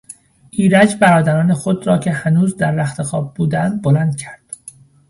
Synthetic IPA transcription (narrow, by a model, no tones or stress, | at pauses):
ʔiːɾæd͡ʒbæɾɒːd̪æɾɒːne̞xod̪ɾɒːcʰe̞hænuːzd̪æɾːæxt̪ʰe̞xɒːb̚buːd̪ænd̪̚bolænd̪̥̚cʰæɾd̪̥